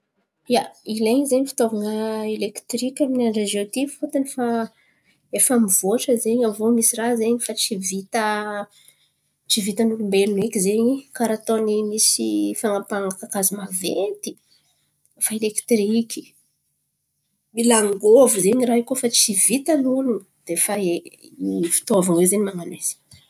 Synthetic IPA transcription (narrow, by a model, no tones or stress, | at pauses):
jaileɲizeɲifi̥t̪ovaŋəelekt̪rikʲaminanɖ͡ʐad͡ʒot̪ifot̪anifa | efamiv̥oʈ͡ʂəzeɲamvomisirazeɲifat͡sivit̪ə | t͡ʃivit̪anukumbelunekʲizeɲikaɾat̪onimisifaŋapaŋakakazimavet̪i̥ | faelekt̪riki̥ | milaŋɡovizeɲiraɦikofat͡sivit̪anulun | d̪̥efaeifi̥t̪ovaŋwezeɲimaŋanwez̥i̥